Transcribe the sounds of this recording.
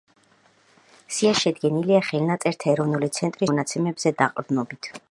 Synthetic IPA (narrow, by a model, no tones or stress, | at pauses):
siaʃɛd̪ɡɛniliaχɛlnat̪sʼɛɾt̪ʰaɛɾɔvnulit̪sʰɛnt̪ʼɾinat̪sʰɛmɛbzɛd̪aqʼɾd̪nɔbit̪ʰ